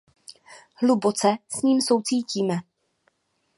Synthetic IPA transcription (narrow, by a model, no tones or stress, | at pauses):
hlubot͡sɛsɲiːmso̞wt͡siːciːmɛ